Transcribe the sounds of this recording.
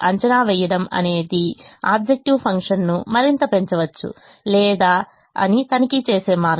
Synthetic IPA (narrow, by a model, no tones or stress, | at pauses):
ʔɐɲt͡ʃɐnaːʋɛjɐɽɐmɐ̰ne̞ːd̪iaːb̚d͡ʒek̚ʈiʋpʰɐŋkʂɐnnumɐɾint̪ɐpe̞ɲt͡ʃɐʋɐt͡ʃːṵ | lɛːd̪aː | ɐ̰nit̪ɐnɐkit͡ʃeːse̞ːmaːɾ